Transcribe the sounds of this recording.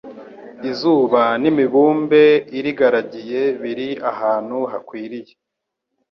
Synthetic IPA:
izuːβanimiβuːmbe̞iɾiɡaɾaɟije̞βiɾiahaːn̥huɦakwiːɾije

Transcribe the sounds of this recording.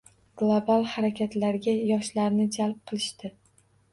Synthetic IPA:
ɡ̥lˠobalˠhaɾakʲʰat̪laɾɡʲajɒʃlaɾnɪd͡ʒalp̚qʰɨlˠɪʃt̪ɪ

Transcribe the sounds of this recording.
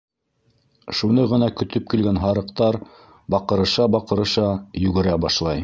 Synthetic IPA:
ʃunɤʁɤ̆nɑkɵ̆t̪ɵp̚kilɡænɦɑɾɤ̆qt̪ɑɾ | bɑqɤ̆ɾɤ̆ʃɑbɑqɤ̆ɾɤ̆ʃɑjɵ̆ɡɘ̆ɾæbɑʃlˠɑj

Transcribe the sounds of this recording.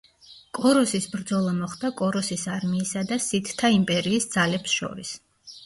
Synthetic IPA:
kʼɔɾɔsisbɾd̪zɔlˠamɔχd̪akʼɔɾɔsisaɾmiːsad̪asit̪t̪ʰaimpʼɛɾiːsd̪z̥alɛpsʃɔ̰ɾḭs

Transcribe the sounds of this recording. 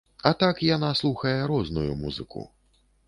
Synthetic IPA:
ɐt̪akjanaslˠuxɐjɛɾɔznujṵmṵzɨ̰kṵ

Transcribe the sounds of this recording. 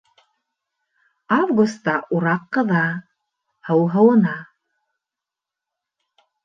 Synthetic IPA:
avɡust̪ːɑʔuɾɑqːɤ̆ðɑ | hɤwɦɤ̆wɤ̆nɑ

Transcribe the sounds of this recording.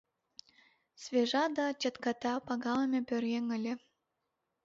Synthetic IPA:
svʲeʒɑd̪ɑt͡ɕə̆t̪kɑt̪æpɑɡɑləmʲepʲørjeŋə̆lʲe

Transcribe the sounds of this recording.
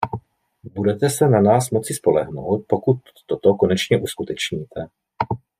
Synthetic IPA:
budɛt̪ɛsɛnanaːsmo̞t͡sɪspo̞lɛɦno̰wt̪̚po̞kut̪ːot̪oko̞nɛt͡ʃɲɛʔuskut̪ɛt͡ʃɲiːt̪ʰɛ

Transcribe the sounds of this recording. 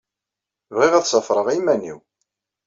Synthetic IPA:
vʁiʁæðsəfɾˤəʁimænḭw

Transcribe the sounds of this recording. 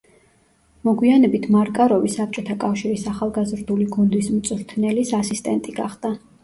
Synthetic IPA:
mɔɡwianɛbit̪ʰmaɾkʼaɾɔvisap̚t͡ʃʼɔt̪ʰakʼafʃiɾisaχalˠɡazɾd̪uliɡund̪ismt̪sʼɾt̪ʰnɛlisasist̪ʼɛnt̪ʼiɡaχd̪̥a

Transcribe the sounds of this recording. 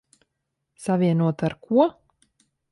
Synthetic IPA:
savʲiɛnuɔt̪aɾkʰuɔ

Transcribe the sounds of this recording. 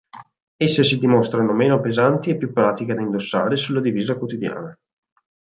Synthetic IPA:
esːesid̪imost̪ɾanomeːnopezant̪iepːjupːɾaːt̪iked̪aind̪osːaːɾesulːad̪iviːzakwot̪id̪ja̰ːna

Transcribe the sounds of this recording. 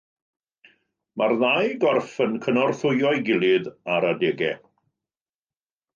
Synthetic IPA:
marðajɡɔrfənkʰənɔrθʊjɔjɡɪlˠɪðaɾadɛːɡɛ

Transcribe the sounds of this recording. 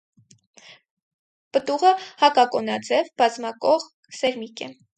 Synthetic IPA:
pət̪uʁəhɑkɑkɔnɑd͡zɛvbɑzmɑkɔʁ | sɛɾmikɛ

